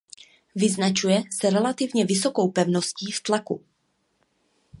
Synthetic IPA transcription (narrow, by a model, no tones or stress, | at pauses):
vɪznat͡ʃujɛsɛɾɛlat̪ɪvɲɛvɪso̞kowpɛvno̞sciːft̪lakṵ